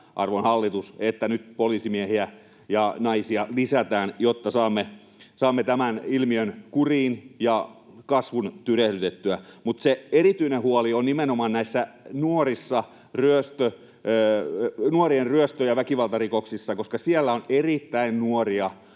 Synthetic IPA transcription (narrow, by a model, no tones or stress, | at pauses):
ʔɑ̰rʋonhɑlːit̪uset̪ːænyt̪polisimiehiæ | jɑnɑisiɑlisæt̪æːnjot̪ːɑsɑːmːe | sɑːmːet̪æmænilmiønkuriːnjɑ | kɑsʋunt̪yrehɾyt̪et̪ːyæmut̪seerit̪yinehuolionnimenomɑːnnæisːænuorisːɑ | ryøst̪ø | nuorienryøst̪øjɑʋækiʋɑlt̪ɑrikoksisːɑkoskɑsiælːæonerit̪ːæinnuoriɑ